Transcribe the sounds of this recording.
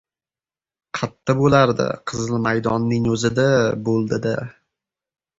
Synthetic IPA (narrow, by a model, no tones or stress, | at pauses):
qʰɑt̪ʰːabolaɾd̪ɪ̰qʰɨzlˠɪmajd̪ɒnːɪŋɵzɪd̪abolˠd̪ɪd̪a